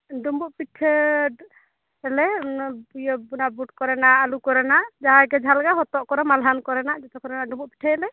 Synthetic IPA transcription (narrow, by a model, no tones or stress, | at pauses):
ɖumbuʔ̚piʈʰɛ | ɛlɛbujɔbunabuʈ̚kɔɾɛnaalukɔɾɛnaʔd͡ʒaɦakɛd͡ʒʱalɡaɦɔt̪ɔʔkɔɾɛmalɦankɔɾɛnaʔd͡ʒɛt̪ɔkɔɾɛnaɖumbuʔ̚pi̥ʈʰɛɛlɛ